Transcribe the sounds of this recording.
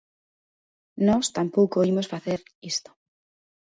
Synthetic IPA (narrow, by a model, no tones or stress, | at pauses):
nɔst̪ampowkoimosfaθeɾist̪o̥